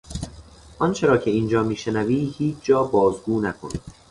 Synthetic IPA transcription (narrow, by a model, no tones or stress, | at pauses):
ʔɒnt͡ʃʰe̞ɾɒːkcʰe̞iːnd͡ʒɒːmiːʃe̞næviːhiːt͡ʃʰd͡ʒɒːbɒːzɡuːnækʰo̰nḭːd̪̥